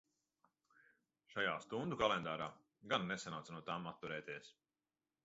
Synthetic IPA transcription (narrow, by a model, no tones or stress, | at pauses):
ʃajaːst̪und̪ukalˠend̪aːɾaː | ɡanːesanawt̪snuɔt̪aːmat̪ːuɾɛːt̪ʲiɛs